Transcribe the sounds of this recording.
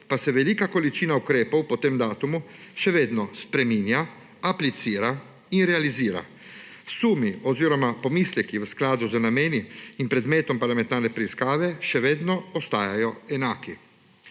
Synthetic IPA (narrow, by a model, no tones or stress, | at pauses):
pasɛʋɛlikakolit͡ʃiːnaukɾeːpowpɔt̪eːmd̪aːt̪umuʃɛʋeːd̪nɔspɾɛmiːnja | aplit̪siːɾa | inɾɛaliziːɾa̰ | suːmiɔziːɾɔmapomiːslɛkiwəsklaːd̪uzənameːniinpɾɛd̪meːt̪ɔmpaɾlament̪aːɾnɛpɾɛiskaːʋɛʃɛʋeːd̪nɔːst̪aːjajɔɛnaːki